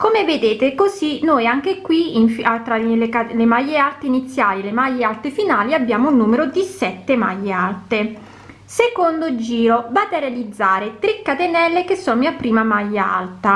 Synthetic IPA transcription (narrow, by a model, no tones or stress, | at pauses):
komeved̪eːt̪ekosinojaŋk̟ekːwiiɱfat̪ɾalekalemajːealt̪einit̪sːjaːlilemajːealt̪efinaːliabːjaːmounːuːmeɾod̪isɛt̪ːema̰jːealt̪e | sekond̪od͡ʒiːɾovaːt̪earealid̪zːaːɾet̪ɾikːat̪enɛlːekesːonmiapːɾiːmamajːaa̰lt̪a